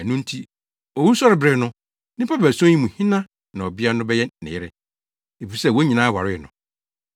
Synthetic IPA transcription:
æ˨nʊ̃˦n̩˦tʰi˦ | ɔ˨wu˦sɔ˦ɾɪ˨bɾɛ˨nʊ̃˦ | nɪ̃˦pʰa˦bæ˨sɔ̃˦ĩ˦mũ˨hĩ˦nã˦ | nã˨ɔ˨bɪ˦a˦nʊ̃˦bɛ˦jɛ˦nɪ̰̃˨ɪ˦ɾɛ˦ | e˨fi˨sɛ˦˨wo˦ɲĩ˨nãː˦wa˨ɾɪ˦ɛ˨nʊ̰̃˨

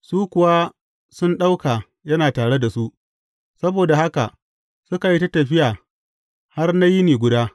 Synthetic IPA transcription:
suː˦kʷʊ˨wa˦ | sʊ˦nɗa˦wkaː˨ | jɐ˦naː˨taː˨ɽe˦da˨su˦ʔ | sɐ˦boː˨da˨ha˦ka̰˨ | sʊ˦ka˨ji˦ta˦tɐ˨ɸɪ˦jaː˨ | ha˦rna˦ji˦neː˨ɡʷʊ˦daː˦

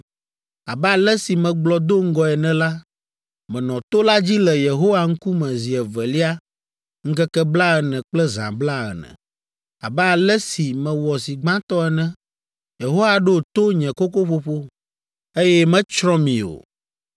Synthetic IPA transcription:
a˨bɛ˦a˨lɛ˦si˨mɛ̃˨ɡ͡blɔ˨d̪o˦ŋ̩˦ɡɔ˨ɛ˨nɛ̃˨la˦ | mɛ̃˨nɔ̃˨t̪o˦la˦d͡ʑi˦lɛ˨je˨ɦo˦wa˨ŋ̩˦ku˦mɛ̃˨zi˨ɛ˨vɛ˨li˦a˦ | ŋ̩˦kɛ˦kɛ˦bla˦ɛ˨nɛ̃˨k͡plɛ˦zã̰˨bla˦ɛ̰˨nɛ̰̃˨ | a̰˨bɛ˦a˨lɛ˦si˨mɛ̃˨wɔ˨si˨ɡ͡bã˦t̪ɔ˦ɛ˨nɛ̃˦ | je˨ɦo˦wa˨ɖo˦˨t̪o˦ɲɛ̃˨ko˦ko˦ɸo˦ɸo˦ | e˦jɛ˦mɛ̃˦t͡ʃɾɔ̃˦mĩ˨o̰˨

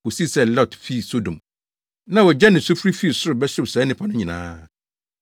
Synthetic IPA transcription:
ko˨si˦˨sɛ˦˨lɔ˦˨tfi˦˨so˦dõ˨m | nã˦wɔ˨d͡ʑɛ˦nɪ̃˨sʊ˦fɾi˦fi˦˨sʊ˦ɾʊ˨bɛ˦sʊ˦bsɛ˨˦nɪ̃˦pʰa˨˦nʊ̃˦ɲĩ˨nã̰ː˦

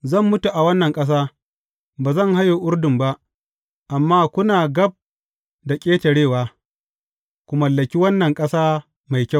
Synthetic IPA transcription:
zɐ˦˨mːʊ˦tu˨ʔa˨wɐ˦nːɐ˨ŋkʼɐ˦s̬aː˦ | baː˨zɐ˦˨ŋha˦jo˨ʔʊ˦ɾdʊ˨mba˦ʔ | ʔa˨mːaː˦kʷʊ˦naː˨ɡɐ˦b̚ | da˨kʲʼeː˦tɐ˨ɽeː˦˨waː˦ | kʷʊ˨mɐ˨lːɐ˨kʲi˦wɐ˦nːɐ˨ŋkʼɐ˦saː˦ | ma˨jkʲa˦˨w

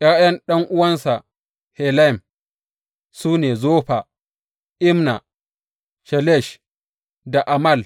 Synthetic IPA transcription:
ʔja˦jɐ˦nɗɐ˦ŋʔʊ˦wɐ˦nsa˨ | hɛ˨lɛ˦˨m | suː˦neː˨zoː˦ɸa˨ | ʔɪ˦mna˨ | ʃɛ˨lɛ˦˨ʃ | da˨ʔa˨mɐ˦˨l

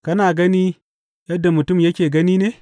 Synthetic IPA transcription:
kɐ˦naː˨ɡɐ˦niː˦ | jɐ˦dːa˨mʊ˨tʊ˦˨mjɐ˦kʲeː˨ɡɐ˦niː˦neː˨

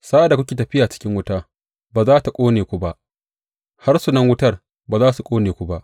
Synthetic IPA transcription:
saː˦ʔa˨da˨kʷʊ˦kʲeː˨tɐ˨ɸɪ˦jaː˨t͡ʃɪ̥˦kʲɪ˦ŋwʊ˦taː˦ | baː˨zaː˦ta˨kʷʼoː˦neː˨kʷu˦ba˦ʔ | ha˦rsu˨nɐ˦ŋwʊ˦tɐ˦r | baː˨zaː˦su˨kʷʼoː˦neː˨kʷu˦ba˦ʔ

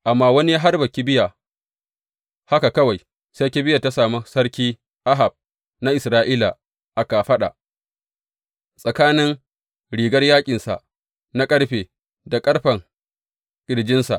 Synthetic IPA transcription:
ʔa˨mːaː˦wɐ˦ni˦ɦa˦rbɐ˨kʲi˦bɪ˦ja˨ | ha˦ka˨kɐ˦wa˨j | se˦kʲi˦bɪ˦ja˨ta˦saː˨mu˦sɐ˦ɽkʲiː˦ | ʔa˦ɦa˨b̚ | na˦ʔɪ˨sɾaː˦ʔiː˦la˨ | ʔa˨ka˨ɸɐ˦ɗa̰˨ʔ | sʼɐ˨kaː˦nɪ˦ŋ | ɽiː˨ɡɐ˦rjaː˦kʲʼɪ˨nsa̰˨ʔ | na˦kʼɐ˦ɽɸeː˨ | da˨kʼɐ˦ɽɸɐ˨ŋ | ɡʲʼɪ˨ɽd͡ʒɪ˦nsa̰˨ʔ

